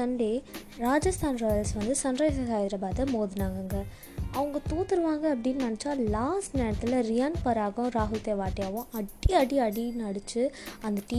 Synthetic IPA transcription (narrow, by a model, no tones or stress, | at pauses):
t̪ɐɳɖe | ɾaːd͡ʒɐst̪ʰaːnɾoːjɐlsʋɐnd̪ɯsɐnɾaːjsɐsaːjɪd̪ɪɾɐbaːt̪ɐmoːðɯnaːŋɡɐŋɡɐ | ɐʋɐŋɡɐt̪uːt̪ːɪɾɯʋaːŋɡɐːpːɐɽɪnːnɐnɪt͡ʃːaːlaːsʈneːɽɐt̪ːɪlɐɾɪjaːnpɐɾaːɣʊ̃ɾaːɦʊjt̪ːeːʋaːʈːɪjaːʋʊ̃ʔɐʈːiɐɽiɐɽinɐɽɯt͡ʃːɯɐnd̪ɐʈiː